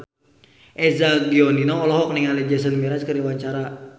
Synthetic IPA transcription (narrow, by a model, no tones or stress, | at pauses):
ʔɛzaɡiɔninɔŋɔlɔɦɔk̚niŋalɛd͡ʒɛs̬ənmiɾaskəɾiwaɲt͡ʃaɾa